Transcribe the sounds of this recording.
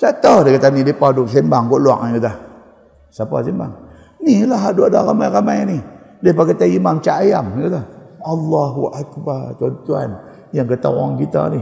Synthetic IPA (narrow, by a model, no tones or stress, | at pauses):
t͡ʃatadekatanidepadus̬embaŋɡolwa̰ʔkata | sapa̰semba̰ŋ | nilaɦaduada̰kamajkamajnidepakataimamt͡ʃaʔajamikataalːaɦuʔakbatɔntua̰n | jaŋkata̰wɔ̰ŋɡita̰ni